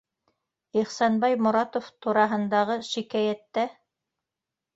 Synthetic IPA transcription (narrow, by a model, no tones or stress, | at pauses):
iχsɑnbɑjmʊ̆ɾɑt̪oft̪uɾɑɦɤ̆nd̪ɑʁɤʃikæjæt̪ːæ